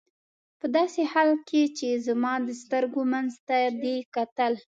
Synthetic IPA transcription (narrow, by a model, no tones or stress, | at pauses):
pəd̪ɑsehɑlkʰet͡ʃezamɑd̪əst̪əɾɡomanzt̪ad̪ekat̪əl